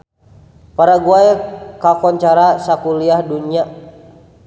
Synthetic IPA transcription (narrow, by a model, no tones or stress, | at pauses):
paɾaɡuajkakɔɲt͡ʃaɾasakuliahduɲia